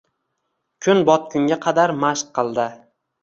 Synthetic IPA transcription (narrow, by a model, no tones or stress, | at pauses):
kʲʰʊnbɒt̪̚kʲʰʊŋɡʲaqʰɑd̪aɾmaʃqʰːɨlˠd̪ɪ